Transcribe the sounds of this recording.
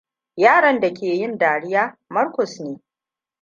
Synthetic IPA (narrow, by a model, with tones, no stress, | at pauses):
jaː˦ɽɐ˨nda˨kʲeː˨jɪ˦ndaː˨ɽɪ˦jaː˦mɐ˦rkʷɔ˨sneː˦